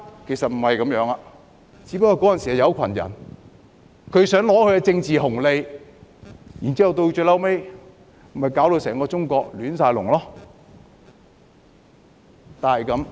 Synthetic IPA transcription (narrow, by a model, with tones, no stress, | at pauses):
kʰe˨˩jsɐ˨t̚m̩˨˩hɐ˨jkɐ˨˥mjœː˨˧˥ŋa˧ | t͡siː˨˥pɐ˧kːɔː˧kɔː˨˥jɐ˨nsiː˨hɐ˨˩jɐ˨˧wkʷʰɐ˨˩njɐ̰˨˩n | kʰɵ˨˧˥sœː˨˥ŋlɔː˨˥kʰɵ˧jkɛ˧t͡sɪ˧ŋt͡siː˨ɦʊ˨˩ŋle˧j | jiː˨nt͡si˥hɐ˨wt̪o˧wt͡ʃœ˧lɐ˥wme˥j | m̩˨˩hɐ˨jkaː˨˥wlo˧sɛː˨˩ŋkɔː˧t͡sʊ˥ŋkɔː˧k̚lyː˨˥nsaː˧jlʊ˨˩ŋlɔː˥ | t̪aː˨˩nhɐ˨jkɐ˨˧m